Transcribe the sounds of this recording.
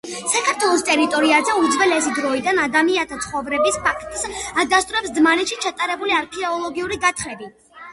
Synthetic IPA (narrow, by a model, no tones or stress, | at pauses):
sakʰaɾt̪ʰwɛlˠɔst̪ʼɛɾit̪ʼɔɾiazɛud̪zvɛlɛsid̪ɾɔid̪anad̪amiat̪ʰat̪sʰχɔvɾɛbispʰakʰt̪ʼsad̪ast̪ʼuɾɛpsd̪zmanɛt̪ʃit͡ʃʰat̪ʼaɾɛbuliaɾkʰɛɔlˠɔɡiuɾiɡat̪ʰχɾɛbi